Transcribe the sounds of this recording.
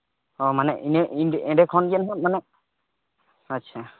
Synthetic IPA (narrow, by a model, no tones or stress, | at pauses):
ɔmanɛʔinɛʔiɖʔɛɖɛkʰɔnɡɛnɦɔt̪̚manɛʔ̚ | ətːt͡ʃʰa